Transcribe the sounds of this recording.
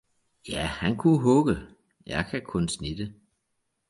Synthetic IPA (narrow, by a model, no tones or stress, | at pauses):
jæhænkʰuɦɔɡ̥ə | jɑɪkʰækʰɔ̽nsnid̥ə